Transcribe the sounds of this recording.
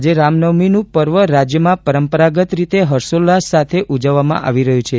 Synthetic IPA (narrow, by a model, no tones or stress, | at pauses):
d͡ʒeɾamnəʋminũpəɾʋəɾad͡ʒjəmãpəɾəmpəɾaɡət̪ɾit̪eɦəɾsolːasat̪ʰeʔud͡ʒəʋːamã̰ʔa̰ʋiɾəɦjũt͡ʃʰe